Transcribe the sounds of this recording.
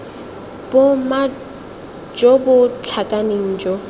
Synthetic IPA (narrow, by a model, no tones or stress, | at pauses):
b̥ʊma | d͡ʒɔbʊt͡ɬʰakʼaneŋ̩ːd͡ʒɔ